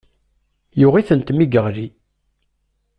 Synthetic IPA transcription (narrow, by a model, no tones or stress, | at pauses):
jʊʁiθənt̪miɡəʁɾi